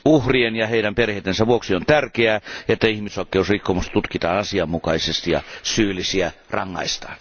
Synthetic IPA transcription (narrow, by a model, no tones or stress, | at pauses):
uhrienjɑheiɾæmperheˑːt̪ːˑensæʋuoksiont̪ærkeæːet̪ːæihmisoˑikːˑeusrikːomust̪t̪ut̪kit̪ɑ̰ːnɑsiɑmːukɑisest̪ijɑ̰syːlːisiærɑ̰ŋːɑ̰ist̪ɑ̥̰ːn